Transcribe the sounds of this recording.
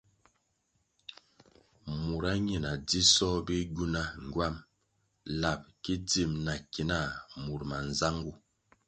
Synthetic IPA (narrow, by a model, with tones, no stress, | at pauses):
mu˨ɾa˦ɲi˨na˨di˦sɔ˦bi˦ɡu˦na˦ŋ˨ɡwa˦˨m | la˨p̚ki˦di˦˨mna˨ki˨na˦˨mu˨ɾma˨nza˦ŋɡu˦˨